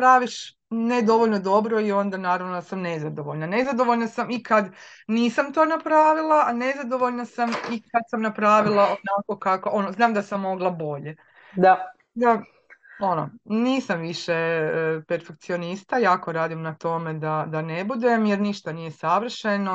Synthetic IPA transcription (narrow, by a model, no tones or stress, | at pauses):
pɾaːʋiʃ | ned̪o̞ʋoʎno̞d̪o̞bɾo̞io̞nd̪anaːɾaʋnosamnezad̪o̞ʋoʎnane̞zad̪o̞ʋoʎnasamikad̪niːsamt̪o̞ːnapɾaːʋilˠane̞zad̪o̞ʋoʎnasamikad̪samnapɾaːʋilˠaonako̞kakoʔonoznaːmd̪asamːo̞ɡlˠabo̞ʎe̞ | d̪a | d̪a | ono̰niːsamʋiʃepeɾfe̞k̚t̪sio̞nist̪ajaːko̞ɾaːd̪imnat̪o̞me̞d̪ad̪ane̞bud̪e̞mjeɾniʃt̪anije̞saʋr̩ʃe̞no